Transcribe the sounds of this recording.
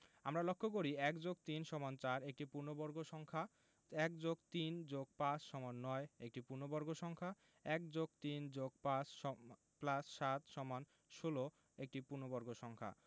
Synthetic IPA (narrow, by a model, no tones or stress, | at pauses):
amɾalokʰːokoɾiɛkd͡ʑok̚t̪inʃɔmant͡ɕaɾek̚ʈipuɾnobɔɾɡoʃɔŋkʰa | ɛkd͡ʑoɡt̪ind͡ʑoɡ̚pat͡ɕʃɔmanːɔeek̚ʈipuɾnobɔɾɡoʃɔŋkʰa | ɛk̚d͡ʑoɡ̚t̪ind͡ʑoɡ̚pat͡ɕʃɔ | plasʃat̪ʃɔman | ʃolo | ek̚ʈipuɾnobɔɾɡoʃɔŋkʰa̰